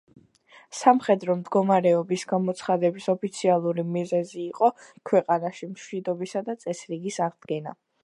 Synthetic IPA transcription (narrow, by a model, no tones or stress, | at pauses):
samχɛd̪ɾɔmd̪ɡɔmaɾɛɔbisɡamɔt̪sʰχad̪ɛbisɔpʰit̪sʰialˠuɾimizɛziːqʼɔkʰwɛqʼanaʃimʃwid̪ɔbisad̪at̪sʼɛsɾiɡisaʁd̪ɡɛna̰